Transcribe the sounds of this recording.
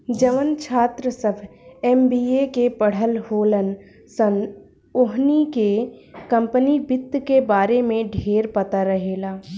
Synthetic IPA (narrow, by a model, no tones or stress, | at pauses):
d͡ʒəʋənt͡ʃʰaːt̪ɾəsəbʱɛːmbiːekepəɽ̤əlɦoːlən | sən | oɦnikekə̃mpənibɪt̪kebaːɾemẽɖʱeːɾpɐt̪aɾəɦeːlaː